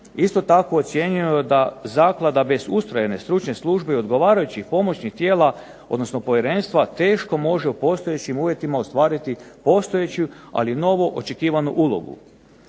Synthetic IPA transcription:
ist̪o̞t̪akoot̪sʲje̞ɲujod̪azaːklˠad̪abe̞zust̪ɾajene̞st̪ɾut͡ʃne̞slˠuʒbe̞io̞d̪ɡo̞ʋaːɾajut͡ɕipo̞mo̞t͡ɕnixt̪je̞ːla | o̞d̪no̞sno̞po̞ʋje̞ɾe̞ːnst̪ʋat̪e̞ːʃko̞mo̞ʒe̞upo̞st̪o̞jet͡ɕimuːʋje̞t̪imaost̪ʋaːɾit̪ipo̞st̪o̞je̞t͡ɕua̰lino̞ʋoʔot͡ʃe̞kiːʋanuʔulˠo̞̰ɡṵ

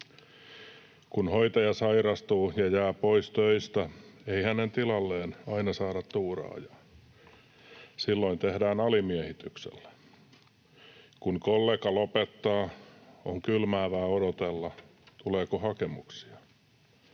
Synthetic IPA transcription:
kunhoit̪ɑjɑsɑiɾɑst̪uːjɑjæːpoist̪øist̪æeihænent̪ilɑlːeːnɑinɑsɑːɾɑt̪t̪uːrɑ̰ːjɑ̥ | silːoint̪ehdæːnɑlimiɛhit̪yksḛlːæ̥ | kunkolːeːkɑlopet̪ːɑːoŋkylmæːʋæːodot̪elːɑt̪uleːkohɑkemuksi̥ɑ

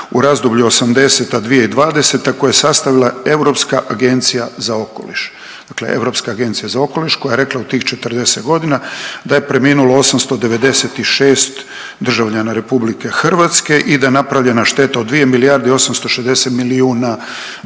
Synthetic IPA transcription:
uɾazd̪ubʎuo̞samd̪e̞set̪ad̪ʋijeid̪ʋaːd̪e̞set̪ako̞jajesast̪aʋilˠae̞vɾo̞pskaʔaɡe̞nt̪sijazao̞ko̞̰liʃ | d̪̥aklḛʔe̞̰vɾo̞pskaːɡe̞nt̪sijazao̞ko̞liʃko̞jajeɾe̞klˠaut̪iːxt͡ʃet̪rd̪e̞set̪ɡo̞d̪inad̪ajepɾe̞miːnuloo̞samst̪o̞d̪e̞ʋe̞d̪e̞set̪iʃeːst̪ | d̪r̩ʒaʋʎanaɾe̞publike̞xr̩ʋat̪ske̞ʔid̪aje̞napɾaʋʎenaʃt̪e̞t̪aod̪ʋije̞milijaɾd̪eo̞samst̪o̞ʃezd̪e̞set̪miliuːna

